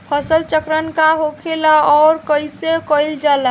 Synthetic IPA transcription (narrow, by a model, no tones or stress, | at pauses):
pʰəsəlt͡ʃəkɾənkaɦokʰelaɔɾkəjsekəjld͡ʒala